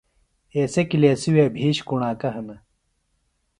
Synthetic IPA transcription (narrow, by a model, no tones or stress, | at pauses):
eːsekileːsiwebʱiːɕkuɳaːkɐɦɐnɐ